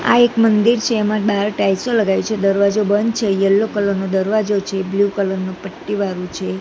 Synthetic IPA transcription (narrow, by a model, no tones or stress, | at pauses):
a̰ekmənd̪iɾt͡ʃʰeːmãbaɾʈajsoləɡajũt͡ʃʰed̪əɾʋad͡ʒobənt͡ʃʰejəlːokələɾnod̪əɾʋad͡ʒot͡ʃʰebljukələɾnopəʈːiʋaɾũt͡ʃʰe